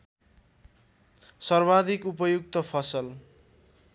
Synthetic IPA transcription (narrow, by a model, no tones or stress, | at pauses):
sʌrbad̪ikupʌjuk̚t̪ʌpʰʌsʌl